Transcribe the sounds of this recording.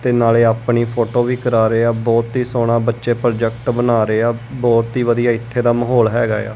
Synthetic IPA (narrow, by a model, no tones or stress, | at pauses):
t̪eːnaːleːaːpɳiːpʰoːʈoːʋiːkəɾaːɾeːaːbɔːt̪ɦiːsoːɽaːbətːʃeːpɾd͡ʒɛkʈbənaːɾeaːbɔːt̪iːʋəd̪ijaːɪt̪ʰːeːd̪aːməɦoːlɦɛ̰ːɡa̰ːja̰ː